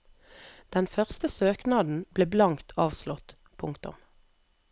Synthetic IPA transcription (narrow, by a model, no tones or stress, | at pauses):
d̪̥ɛnfœʁst̪əsøːknɑːd̪n̩b̥leːblɑŋt̪ʰɑːʋslɔt̪ | pʰʊŋkt̪ʊ̰m